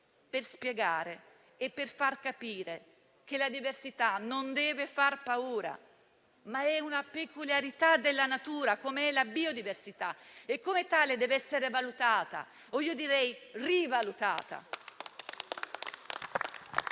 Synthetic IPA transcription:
perspjɛɡaːɾeː | pːerfarkapiːɾe | k̟elad̪iversit̪anond̪ɛːvefarpauːɾa̰ | maɛunapekuljaɾit̪ad̪elːanat̪uːɾakomeɛlabiod̪iversit̪aekːomet̪aːled̪ɛːvɛsːeɾevalut̪aːt̪a̰ | oiːod̪iɾɛjrivalut̪a̰ːt̪a̰

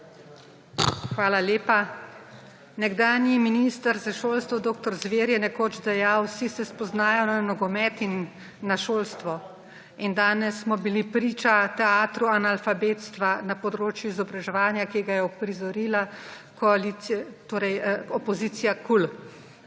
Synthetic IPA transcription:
xʋaːlaleːpa | nɛɡd̪aːnjiminist̪aɾzaʃoːlst̪ʋɔd̪oːkt̪ɔɾzʋeːɾjɛnɛkoːt͡ʃd̪ɛjawsisɛspɔznaːjɔnanɔɡɔmɛt̪inː | aʃoːlst̪ʋɔ | ind̪aːnɛsːmɔbilipɾiːt͡ʃat̪ɛaːt̪ɾuanalfabeːt̪st̪ʋanapɔd̪ɾoːt͡ʃjuizɔbɾaʒɛʋaːnjakiɡajɛɔpɾizɔɾila | kɔalit̪oːɾɛjɔpɔziːt̪sijakul

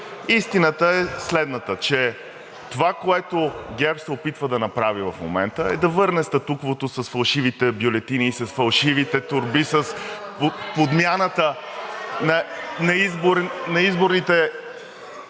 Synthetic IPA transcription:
ist̪inət̪əɛslɛd̪nət̪ət͡ʃɛ | t̪ovakoɛt̪oɡʲɛɾpsɛopit̪vəd̪ɐnɐpɾavivɐfmo̰mɛnt̪əɛ̰d̪ɐvɤɾnɛst̪ɐt̪ukvot̪osɐsfɐlˠʃivit̪ɛbjolɛt̪iniːsɐsfɐlˠʃivit̪ɛt̪ʊɾbisəspopod̪mʲjanət̪ə | nɐnɐizboɾnɐizboɾnit̪ɛ

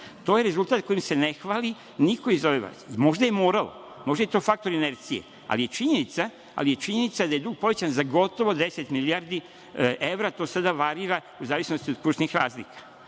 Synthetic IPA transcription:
t̪o̞jeɾe̞zult̪aːt̪̚ko̞jimse̞ne̞xʋaːli | niko̞izoʋeʋa̰mo̞ʒd̪aje̞mo̞ːɾalo̰ | mo̞ʒd̪aje̞t̪o̞ːfak̚t̪o̞ɾineɾt̪sije̞̰ | a̰lije̞t͡ʃiɲe̞nit̪sa | a̰lije̞t͡ʃiɲe̞nit̪sad̪aje̞d̪uɡpo̞ʋet͡ɕanzaɡo̞t̪o̞ʋo̞d̪e̞se̞t̪miliaɾd̪i | ʔe̞ʋɾat̪o̞ːsad̪aʋaɾiɾa | uzaːʋisnost̪io̞d̪kuʃnixɾaːzlḭkḁ

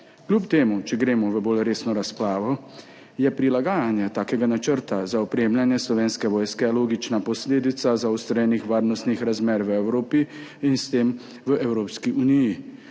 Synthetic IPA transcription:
klʲupt̪eːmut͡ʃɛɡɾeːmɔʋəbolɾeːsnɔɾaspɾaːʋɔ | jɛpɾilaɡaːjanjɛt̪aːkɛɡanat͡ʃəɾt̪azaɔpɾemljanjɛslɔʋeːnskɛʋɔːjskɛloːɡit͡ʃnapɔsleːd̪it̪sazaust̪ɾɛjɛnixʋaːɾnɔst̪nixɾazmeːɾʋəɛwɾoːpiinst̪eːm | ʋəʔɛwɾoːpskiʔuniji

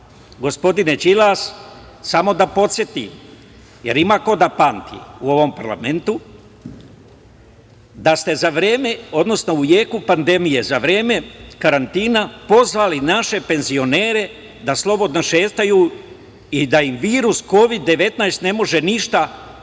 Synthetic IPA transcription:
ɡo̞spo̞d̪inet͡ʃilas | samo̞d̪apo̞t̪sʲje̞t̪ḭ | je̞̰ɾimako̞d̪apant̪ʰḭuo̞ʋo̞mpaɾla̰me̞nt̪u | d̪ast̪e̞zaʋɾe̞ːme̞o̞d̪no̞sno̞ujeːkupand̪e̞mije̞zaʋɾe̞ːme̞kaɾant̪iːnapo̞zʋaːlinaʃe̞pe̞nzio̞neːɾe̞ | d̪aslˠo̞bo̞d̪noʃeːt̪ajuː | id̪aimʋiːɾusko̞ʋid̪ːe̞ʋe̞t̪najst̪ne̞mo̞ʒe̞niʃt̪a

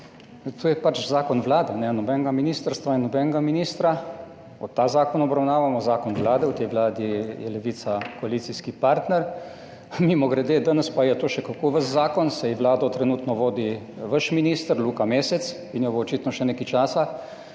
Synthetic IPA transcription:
t̪oːjɛpat͡ʃzaːkɔnʋlaːd̪ɛnɛnɔbɛːnɡaminiːst̪əɾst̪ʋainːɔbɛːnɛɡaminiːst̪ɾa | ɔt̪ːaːzaːkɔnɔbɾawnaːʋamɔzaːkɔnʋlaːd̪ɛut̪ɛjʋlaːd̪ijɛlɛʋiːt̪sakɔaliːt̪siskipaɾt̪nɛɾ | mimɔɡɾɛd̪eːd̪anəspajɛt̪oːʃɛkakoːʋəzzaːkɔnsɛjʋlaːd̪ɔt̪ɾɛnuːt̪nɔʋoːd̪i | ʋəʃminiːst̪əɾluːkameːsɛt̪s | injɔboɔt͡ʃiːt̪nɔʃɛneːkajt͡ʃaːsa

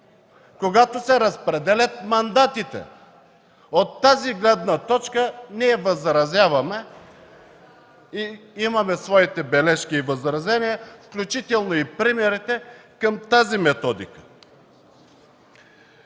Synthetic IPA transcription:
koɡat̪osɛɾəspɾɛd̪ɛlʲɐt̪̚mɐnd̪at̪it̪ɛ̰ | ot̪ːaziɡlɛd̪nət̪ɔt͡ʃkəniɛvəzɾɐzjavɐmɛ | iimɐmɛsvɔit̪ɛbɛlɛʃkiːvəzɾɐzɛniəfklʲut͡ʃit̪ɛlˠnoipɾimɛɾit̪ɛkəmt̪azimɛt̪ɔd̪ikə̥

